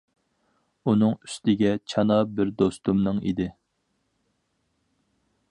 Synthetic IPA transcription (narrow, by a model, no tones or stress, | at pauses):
unɨŋy̥st̪ɪɡʲɛt͡ʃʰɑnɑbɪɾd̪ost̪umnɨŋḭd̪ɪ